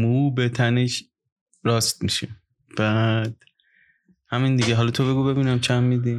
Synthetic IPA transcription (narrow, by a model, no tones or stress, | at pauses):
muːbet̪ʰæneʃ | ɾɒːst̪̚miʃe | b̥æd̪̥ | hæmind̪iɟeɦɒlɒt̪ʰoβe̞ɡuːbe̞biːnæmt͡ʃʰæmːid̪i